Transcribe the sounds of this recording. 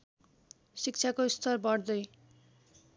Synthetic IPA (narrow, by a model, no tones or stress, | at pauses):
sik̚t͡sʰakost̪ʰʌrbʌɽd̪ʌj